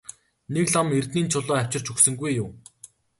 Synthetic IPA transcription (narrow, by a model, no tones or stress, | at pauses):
nekɮɔmert̪niːnt͡ɕʰʊɮɔːæw̥ʲt͡ɕɪ̆r̥t͡ɕʰɵksɵ̆ŋɡujːʊw